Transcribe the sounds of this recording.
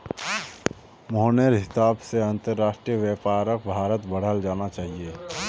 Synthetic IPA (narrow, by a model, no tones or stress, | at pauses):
mɔɦneɾɦɪsaːbseɐ̃nt̪əɾːaːʃʈɾijəʋjeːpaːɾək̚bʱaːɾət̪bəɽ̤əld͡ʒaːnat͡ʃaːɦieː